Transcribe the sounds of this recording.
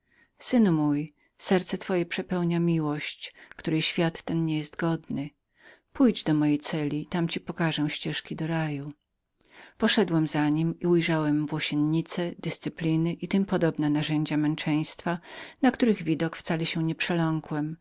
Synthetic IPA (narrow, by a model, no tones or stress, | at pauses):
sɘnumuj | sɛɾt̪sɛt̪fɔjɛpʂɛpɛwɲamʲiwɔɕt͡ɕkt̪uɾɛjɕfʲjat̪ːɛnɲɛjɛst̪ɡɔd̪nɘ | pujd͡ʑd̪ɔmɔjejt̪sɛlʲit̪amt͡ɕipɔkaʐɛ̃w̃ɕt͡ɕɛʂkʲid̪ɔɾaju | pɔʂɛd̪wɛmzaɲimiujʐawɛmvwɔɕɛnɲit̪sɛd̪ɘst̪sɘplʲinɘʔit̪ɘmpɔd̪ɔbnɛnaʐɛɲd͡ʑamɛnt͡ʂɛj̃st̪fanakt̪uɾɘɣvʲid̪ɔkft̪salɛɕɛ̃ɲɛpʂɛlɔŋkwɛm